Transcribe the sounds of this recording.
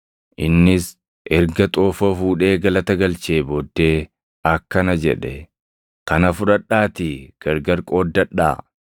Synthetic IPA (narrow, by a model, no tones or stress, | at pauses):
ʔɪnːɪs | ʔɛɾɡɐt̪ʼoːfɔfuːᶑe̞ːɡɐlɐt̪ɐɡɐlt͡ʃe̞ːbɔd̪ːe̞ː | ɐkːɐnɐd͡ʒɛ̰ᶑɛ | kɐnɐfʊᶑɐɗːaːt̪ɪɡ̥ɐɾɡɐɾkʼoːd̪ːɐᶑa̰ː